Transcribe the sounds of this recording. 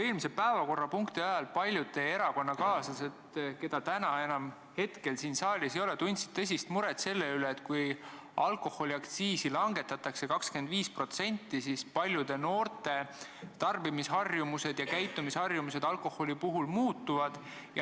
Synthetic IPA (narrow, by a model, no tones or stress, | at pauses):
e̞ːlmisepæevɑko̞rːɑpuŋkt̪iɑjɑlpɑlʲjud̪e̞e̞ɾɑko̞nːɑkɑːsɑse̞t̪ke̞d̪̥ɑt̪ænɑe̞nɑm | he̞t̪ke̞lsiːnsɑːlʲisejo̞le̞t̪unʲt̪si̥t̪ːɤs̬ʲist̪muɾet̪se̞lːeyleːt̪ːˑkuj | ɑlko̞ho̞lʲiɑkt̪siːsilɑŋɡe̞t̪ːˑɑt̪ːˑɑkse̞kɑkske̞nd̪viːspro̞t̪se̞nʲt̪ːˑisispɑlʲjud̪̥e̞no̞ːrt̪e̞t̪ɑrbimisɦhɑrjumuse̞d̪̥jɑkæjt̪ːˑumishɑrjumuse̞d̪̥ɑlko̞ho̞lʲipuɦulmuːt̪ːuvɑd̪̥ | jɑ